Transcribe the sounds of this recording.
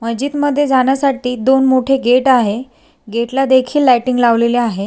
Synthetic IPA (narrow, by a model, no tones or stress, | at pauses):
məd͡ʑiːt̪məd̪ʱːjed͡zaɳjasaʈiːd̪onmoʈʰeɡeʈaɦe | ɡeʈlad̪ekʰiːlːajʈiŋɡlaʋleleaɦe